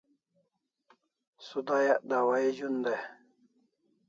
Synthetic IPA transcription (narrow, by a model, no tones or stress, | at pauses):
sud̪ajaʔd̪awaid͡ʑund̪e